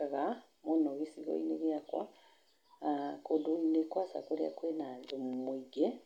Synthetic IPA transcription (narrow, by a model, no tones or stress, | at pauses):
aɣa | munoβisiɣo̰ineβjakwa | koduinekwaːsa̰koɾja̰kwenaːnzomumuiɡe